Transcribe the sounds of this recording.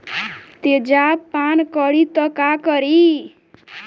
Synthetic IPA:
t̪ed͡zapːankʌɽit̪ʌkakʌɾi

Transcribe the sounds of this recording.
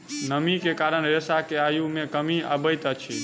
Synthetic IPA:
nəmikekaɾəɳ̃ɾesakeajumẽkəmia̰bəjt̪ət͡ʃʰḭ

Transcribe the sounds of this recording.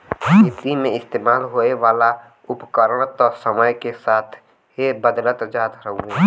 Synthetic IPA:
it̪imẽɪst̪eːmaːlɦoeʋaːla | ʊpkəɾəɽ̃ət̪ɔsəməjkesaːt̪ʰ | ebəd̪lət̪d͡ʒaːd̪ɾəɦũe

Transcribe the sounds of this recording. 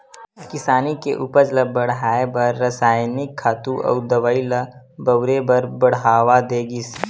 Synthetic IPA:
kɪsaːnikeʔuːpəɾd͡ʒlɐbɐɽ̤ɦaːebɐɾːɐsaːjnɪkʰːaːt̪uʔɔ̰ːd̪ɐʋailɐ | bɐwɾebɐɾbɐɽ̤ɦaːʋad̪eːɡɪs

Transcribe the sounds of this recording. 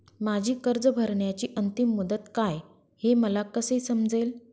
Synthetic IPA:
mad͡ʑʱiːkəɾd͡zəbʱəɾɳjat͡ɕiːʔənt̪imːud̪ət̪kaj | heməlakəsejsəmd͡zel

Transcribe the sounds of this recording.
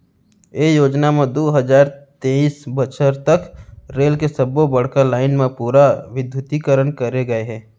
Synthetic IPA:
ejoːd͡ʒnamẽd̪oːɦəd͡ʒaːɾt̪eːisbət͡ʃəɾt̪əkɾeːlkesəbobəɽ̤kalaːɪnmẽpuːɾaʋɪd̪ʱjʊt̪ikəɾənkəɾeɡɐeɦɛ̃ː

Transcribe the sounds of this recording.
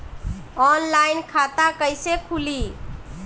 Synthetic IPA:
ɔnlajnkʰat̪akəjsekʰuli

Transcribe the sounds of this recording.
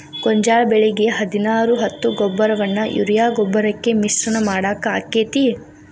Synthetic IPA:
ɡ̥ɔɲd͡ʒaːɭbeɭiɡe̞ɦɐd̪inaːɾuɦɐt̪ːuɡɔbːɐɾɐʋɐnːɐjʔṵɾjaːɡɔbːɐɾɐkːe̞misɾɐnɐmaːɽaːkaːkːeːt̪i

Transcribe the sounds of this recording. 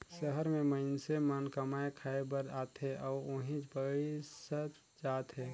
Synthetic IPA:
səɦəɾmẽməɪnsemənkəmaekʰaebəɾaːt̪ɦɛʔɔːoɦĩd͡ʒbəisət̪ | d͡ʒaːt̪ɦɛː

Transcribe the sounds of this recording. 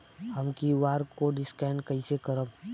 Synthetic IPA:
həmkiʋaːɾkoɖɪskɛːnkəisekəɾəb

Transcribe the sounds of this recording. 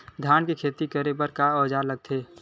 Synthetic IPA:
d̪ʱjaːnkekʰeːt̪ikəɾepəɾkaɔːd͡ʒaɾləɡ̚t̪ʰeː

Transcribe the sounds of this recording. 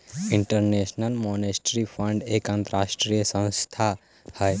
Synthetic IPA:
ɪ̃ɳʈəɾneːʃnəlmɔnesʈɾifʰə̃ɳɖeːkãnt̪əɾaːʃʈɾijəsə̃w̃st̪ʰa | hɛj

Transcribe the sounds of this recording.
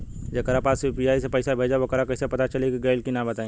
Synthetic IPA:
d͡ʒɐkəɾapaːspɾijaːisepɐɪsabʱeːd͡ʒaʋokəɾakɐɪsepɐt̪at͡ʃɐlikiɡɐːlkinabɐt̪aĩ

